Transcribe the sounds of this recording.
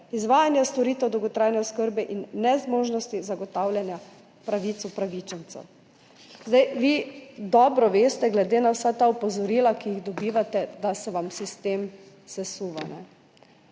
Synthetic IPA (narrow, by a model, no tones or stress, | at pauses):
izʋaːjanjast̪ɔɾiːt̪ɛwd̪ɔwɡɔt̪ɾajnɛɔskəɾbɛʔinːɛzmoːʒnɔst̪izaɡɔt̪awlʲjanja | pɾaʋiːt̪supɾaʋit͡ʃɛnt̪sɛ̰w | zd̪ajʋid̪ɔːbɾɔʋeːst̪ɛɡlɛd̪eːnawsat̪aɔpɔzɔɾiːlakijiɣd̪ɔbiːʋat̪ɛd̪asɛʋamsist̪eːm | sɛsuːʋa̰nɛ̰